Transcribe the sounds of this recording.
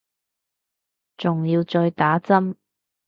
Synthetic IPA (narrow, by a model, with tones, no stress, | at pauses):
t͡sʊ˨ŋjiː˧wt͡sɔː˧jt̪aː˨˥t͡sɐ˥m